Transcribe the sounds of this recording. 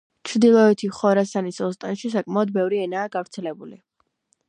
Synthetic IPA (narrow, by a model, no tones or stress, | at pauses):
t͡ʃʰɾd̪ilˠɔɛt̪ʰiχɔɾasanisɔst̪ʼanʃisakʼmaɔd̪bɛvɾiɛnaːɡavɾt̪sʰɛlɛbulḭ